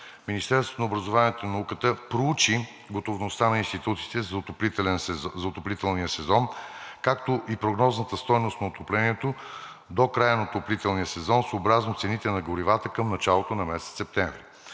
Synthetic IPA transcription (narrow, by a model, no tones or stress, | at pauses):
minist̪ɛɾsvot̪onəobɾəzovaniɛt̪onɐnɐukət̪əpɾout͡ʃi | ɡot̪ovnost̪anɐinst̪it̪ut̪si̥t̪ɛzt̪oplit̪ɛlɛnzɐot̪oplit̪ɛlˠnijəsɛzɔnkakt̪oʔipɾoɡnɔznət̪əst̪ɔjnost̪nɐot̪oplɛniɛt̪o | d̪okɾajənɐot̪oplit̪ɛlˠnijəsɛzɔnsoːbɾaznot̪sɛnit̪ɛnɐɡoɾivat̪əkəmnɐt͡ʃalˠot̪onɐmɛsɛt̪ssɛp̚t̪ɛɱvɾi